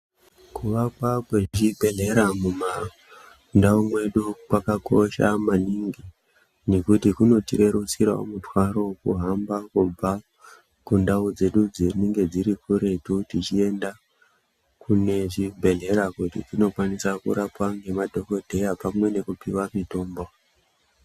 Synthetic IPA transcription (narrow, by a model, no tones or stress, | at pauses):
kuʋakwakweʐibʱe̞ɮe̞ɾamuma | ndaumwe̞ɗukwakako̞ʃa̰maniŋɡi | nekutikuno̞tiɾe̞ɾusiɾao̰mutwaɾo̞kuɦambakub͡va | kundaud͡ze̞ɗud͡zineŋɡe̞d͡ziɾikuɾe̞tutit͡ʃie̞nda | kune̞ʐibʱe̞ɮe̞ɾakutḭtino̞kwanisakṵɾapwaŋɡe̞madʱo̞ko̞dʱe̞japamwe̞ne̞kupiwamito̞ːmbo